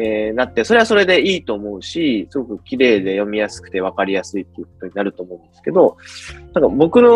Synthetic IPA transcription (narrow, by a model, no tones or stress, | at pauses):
nat̪ːe̞so̞ɾe̞βasoɾe̞d̪e̞iːt̪o̞ːmo̞ɯ̟ɕisɨɡo̞kɯ̟kʲiɾe̞ːd̪e̞jo̞mʲijasɨ̥kɯ̟̥t̪e̞β̞akaɾʲijasɨit̪ːe̞jɯ̟k̚o̞t̪o̞ɲinaɾɯ̟t̪o̞ːmo̞ɯ̟̃nd̪esɨ̥ke̞d̪o̞nãŋkabo̞kɯ̟no̞